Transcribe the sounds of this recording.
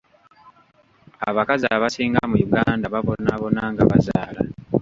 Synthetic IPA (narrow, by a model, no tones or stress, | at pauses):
aβakaziaβasiːŋɡamujuɡaːndaβaβo̞naβo̞naːŋɡaβa̰zaːla